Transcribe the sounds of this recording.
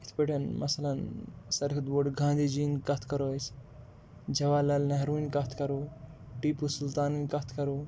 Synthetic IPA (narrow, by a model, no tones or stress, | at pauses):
it̪ʰpeʈɐnmʔɐsɐlɐnsɐɾkʰid̪boːɖɡʱãːnd̪id͡ʒinkɐt̪ʰkɐɾos | d͡ʒʱɐʋaːlɐlnɐɦɾuːnkɐt̪ʰkɐɾo | ʈiːpusult̪aːninkɐt̪ʰkɐɾoː